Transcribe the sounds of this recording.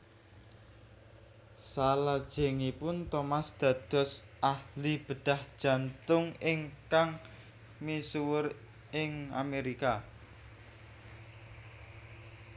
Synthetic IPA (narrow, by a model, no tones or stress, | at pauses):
salad̥ʒ̥e̤ŋipʊnt̪omasd̪̥ä̤d̪̥ɔ̤s | ʔahlib̥ə̤ɖ̪̥a̤hd̥ʒ̥a̤nt̪ʊŋɪŋkaŋ | misuwʊr | ɪŋa̰meɾika